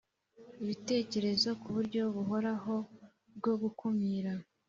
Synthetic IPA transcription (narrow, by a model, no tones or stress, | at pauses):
iβite̞ːce̞ɾe̞zo̞kuβuɾɟo̞βuɦo̞ɾaɦo̞ | bɡo̞ɡukumiːɾa